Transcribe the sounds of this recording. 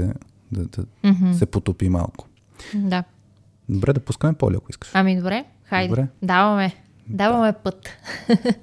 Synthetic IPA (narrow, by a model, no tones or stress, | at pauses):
ɛ | d̪ɐd̪ɐm̩ɦ̩sɛpot̪upima̰lˠkʊ̥ | d̪a | d̪obɾʔɛd̪ɐpuskəmɛpɔ̰liɐ̰kʊiskə̥ʃɐmid̪obɾɛ | xajd̪ɾɛd̪avɐmɛ | d̪avɐmɛpɤt̪